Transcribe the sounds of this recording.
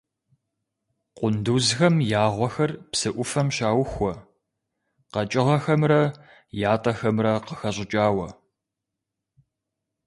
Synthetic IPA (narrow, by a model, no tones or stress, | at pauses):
qʷʊnduzxɐmjaːʁʷɔxɐrpsɨʔʷʊfɐmɕaːwxʷɔ | qɐt͡ʃʼɪʁɐxɐmrɐ | jaːtʼɐxɐmrɐqəxɐɕʼɪt͡ʃʼaːwɐ